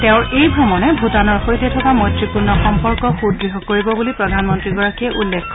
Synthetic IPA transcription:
tɛʊ̃ɹejbʱumɔnɛbʱutanɔɹxojtɛtʰɔkamɔtɹipuɹnɔxɔmpɔɹkɔxudɹiɦɔkoɹibɔbulipɹɔdʱanmɔntɹiɡɔɹakiɛʔulːekʰː

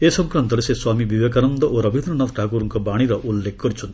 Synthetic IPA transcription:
esʌŋkrant̪ʌlesẽswamibiwekanʌnd̪ʌʔoɾʌbʱinrʌnʌtʈakuɾuŋkobaɽ̃iɾʌʔulːek̚ʰɡ̥ʌɾit͡sʰun

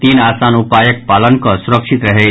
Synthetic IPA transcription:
t̪iːnaːsaːnupaːjək̚paːlənkɔsʊɾəkʃit̪ɾəɦe

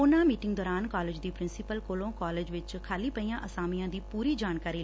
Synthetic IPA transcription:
ʊnãːmiːʈɪ̃ŋɡd̪ɔːɾaːnkɔːleːd͡ʒd̪iːpɾɪnsɪpəlkolõːkɔːleːd͡ʒʋɪt͡ʃkʰaːliːpəijãːʔəsaːmijãːd̪iːpuːɾiːd͡ʒaːnkaːɾiː

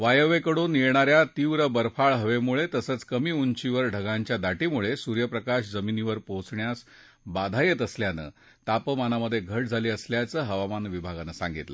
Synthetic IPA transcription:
ʋajəʋekəɽuːniɭɳaɾjat̪iʋɾəbəɾfaɭɦəʋemuɭet̪əsət͡skəmiːuɲt͡ɕiʋəɾɖʱəɡãɲt͡ɕjad̪aʈimuɭesuɾjəpɾəkaɕd͡zəminiʋəɾpowt͡sɳjas | bad̪ʱajət̪əsljanə̰ː | t̪apəmanaməd̪ʱːjeɡʱəʈd͡zʱaliːəsljat͡səːɦəʋamanʋibʱaɡanəsã̰ŋɡit̪lə̰

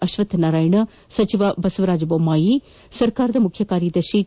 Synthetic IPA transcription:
ɐʃʋɐt̪naːɾaːiɳɐ | sɐt͡ʃiʋabɐsʋɐɾaːd͡ʒboːmaːji | sɐɾkaːɾd̪ɐmʊkʰjəkaːɾijid̪ɐʃi

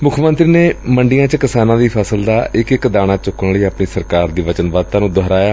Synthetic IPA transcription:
mʊkʰmənt̪ɾiːneːməɳɖijãːt͡ʃəkɪsaːnãːd̪iːpʰɛːsəld̪aːʔɪkɪkd̪aːɽ̃aːt͡ʃʊkənliːəpɳiːsəɾkaːɾd̪iːʋət͡ʃənʋaːd̪̚t̪ãːnũːd̪ɔɦɾaːjaː

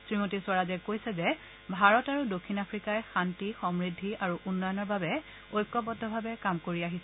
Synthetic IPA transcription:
sɹimotisʊwaɹazɛkojsɛzɛ | bʱaɹɔtaɹudokʰːinapʰɹikajxantixɔmɹidʱːiʔaɹuʔunːɔjɔnɔɹbabɛ | ojkːɔbɔtdʱɔbʱabɛkamkoɹiaɦisɛ

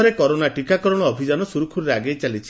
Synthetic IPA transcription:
ɔɾekɔɾonaʈikakɔɾɔɽ̃ɔːbʱid͡ʒanɔsuɾukʰuɾɾeaɡejt͡ʃalit͡ʃʰi

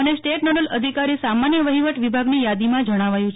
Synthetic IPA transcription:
ənesʈeʈnoɾələd̪ʱikaɾisamanjəʋəɦiʋəʈʋibʱaɡnijad̪imãd͡ʒəɽ̃aʋajũt͡ʃʰ

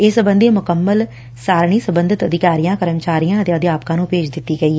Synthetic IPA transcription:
eːsəbə̃nd̪eːmʊkəmːəl | saːɾɳ̃iːsəbənd̪ɪt̪əd̪ɪkaːɾijãːkəɾəmt͡ʃaːɾijãːət̪ẽːəd̪eaːpkãːnũːpeːd͡ʒd̪ɪt̪ːiːɡəiːɛː

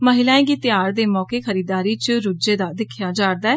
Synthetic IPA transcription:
məɦɪlãːẽːɡiːt̪ɪjaːɾd̪eːmɔːkeːxʰəɾiːd̪aːɾiːt͡ʃɾʊd͡ʒeːd̪aːd̪ɪkʰːjaːd͡ʒaːɾd̪aːɛː

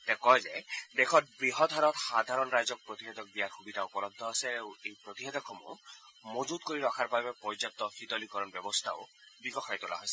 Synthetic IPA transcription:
t̪ekɔjzed̪ekʰɔt̪̚bɾiɦɔd̪ʱaɾɔt̪sad̪ʱaɾɔnɾajzɔk̚pɾot̪iɦed̪ɔk̚biaɾxubid̪ʱaupɔɾɔd̪ʱːɔaseewejpɾot̪iɦed̪ɔkʰɔmṵ | mod͡ʒut̪̚koɾiɾɔkʰaɾpabepɔjd͡ʒɔt̪ːɔxit̪ɔlikɔɾɔnbɔbɔst̪ʰao | bikɔxʰajt̪ula̰ɦɔjsɛ̥

